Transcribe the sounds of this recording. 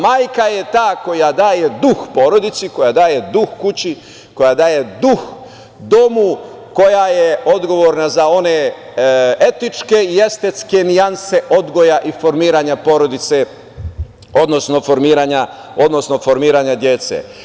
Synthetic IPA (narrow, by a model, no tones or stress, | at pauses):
maːjkajet̪aːko̞jad̪aːje̞d̪uxpo̞ɾo̞d̪it̪siko̞jad̪aːje̞d̪uxkut͡ɕi | ko̞jad̪aːje̞d̪ux | d̪o̞mu | ko̞jajeo̞d̪ɡo̞ʋoːɾnazao̞ne | et̪it͡ʃke̞ije̞st̪et̪ske̞nianseʔo̞d̪ɡo̞jaʔifo̞ɾmiːɾaːɲapo̞ɾo̞d̪it̪se | o̞d̪no̞sno̞fo̞ɾmiːɾaɲao̞d̪no̞sno̞fo̞ɾmiːɾaːɲad̪je̞t̪sḛ